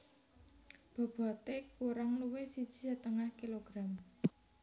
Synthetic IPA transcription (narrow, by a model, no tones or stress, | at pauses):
b̥a̤b̥a̤t̪ekuɾaŋluwesid̥ʒ̥i̥̤sɛt̪əŋahkiloɡ̥ɾam